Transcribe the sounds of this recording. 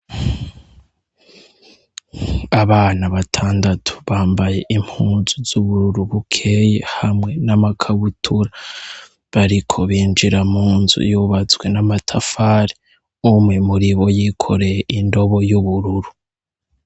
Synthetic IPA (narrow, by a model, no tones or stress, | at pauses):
aβaːnaβatʰaːndatʰu̥βaːmbaje̞ʔim̥huːnz̥uzuβuɾuɾuβukʰe̞ːjehamŋe̞namakʰaβutʰuɾa | βaɾikʰo̞βiːnd͡ʒiɾamuːnzṵjuβat͡sɡwe̞namatʰafaːɾi | umŋemuɾiβo̞jikʰo̞ɾejeʔindo̞βo̞juβuɾuɾu̥